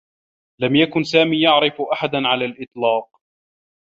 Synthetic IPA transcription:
lamjakʊnsaːmiːjɑʕɾɪfʔaħad̪nʕalaːlʔɪt̪ˤlɑːq̚

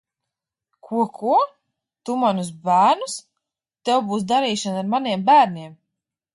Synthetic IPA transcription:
kʰuɔkʰu | t̪umanusbæːɾnus | t̪ɛwbuːs̬d̪aɾiːʃanaɾmaniɛmbæːɾniɛm

